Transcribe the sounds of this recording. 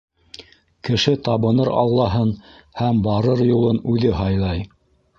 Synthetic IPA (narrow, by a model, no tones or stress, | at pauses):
kɘ̆ʃɘt̪ɑβɤ̆nɤɾɑ̰lˠːɑɦɤn | hæmbɑɾɤɾjulˠɤnʉðɘɦɑjlˠɑj